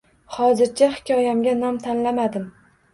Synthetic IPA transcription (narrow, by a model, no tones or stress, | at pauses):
hɒzɪɾt͡ʃʰahɪ̥kʲʰɒjamɡʲanɒmt̪ʰanlamad̪ɪm